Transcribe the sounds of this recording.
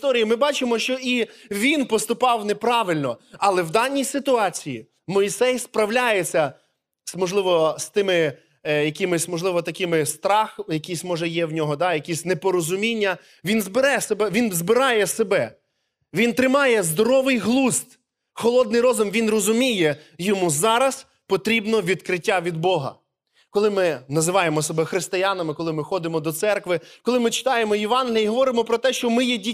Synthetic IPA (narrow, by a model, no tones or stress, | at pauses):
t̪ɔɾʲijimɪbɑt͡ʃɪmɔʃt͡ʃɔiʋʲinpɔst̪ʊpɑwnepɾɑʋɪlʲnɔɐlˠɛwd̪ɑnʲːijsɪt̪ʊɑt͡sʲijḭ | mɔisɛjspɾɐwlʲajet͡sʲːɐ | smɔʒlˠɪʋɔst̪ɪmɪ | jɐkʲɪmɪsʲmɔʒlˠɪʋɔt̪ɐkɪmɪst̪ɾɑxjɐkʲijsʲmɔʒɛjɛwnʲɔɦɔd̪ɑjɐkʲisʲnepɔɾɔzʊmʲinʲːɐ | ʋʲinzbɪɾɛsebɛʋʲinzbɪɾɑjɛsebɛ | ʋʲint̪ɾɪmɑjɛzd̪ɔɾɔʋɪjɦlˠust̪ | xɔlˠɔd̪nɪjɾɔzʊmʋʲinrɔzʊmʲijɛ | jɔmuzɑɾɐs | pɔt̪ɾʲibnɔʋʲid̪kɾɪtʲːaʋʲid̪̚bɔɦɐ̰ | kɔlˠɪmɪnɐzɪʋɑjemɔsɔbɛxɾɪst̪ɪjɑnɐmɪkɔlˠɪmɪxɔd̪ɪmɔd̪ɔt̪sɛrkʋɪkɔlˠɪmɪt͡ʃɪ̥t̪ɑjemɔjeʋɑnɦʲilʲiiɦɔʋɔɾɪmɔpɾɔt̪ɛʃt͡ʃɔmɪjɛdʲi